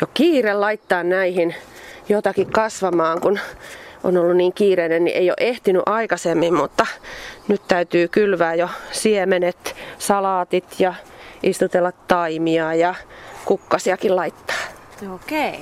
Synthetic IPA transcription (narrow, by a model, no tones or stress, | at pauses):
jokiːrellɑit̪ːɑːnnæihin | jot̪ɑkikkɑsʋɑmɑːŋkunʔo̰nolːunniːŋkiːreinennḭʔḛio̰ʔeht̪iny̰ʔɑikɑsemːimmut̪ːɑnyt̪t̪æyt̪yːkylʋæːjosiemenet̪sɑlɑːt̪it̪jɑist̪ut̪elːɑt̪t̪ɑimiɑjɑkukːɑsiɑkillɑit̪ːɑ̥ː | okei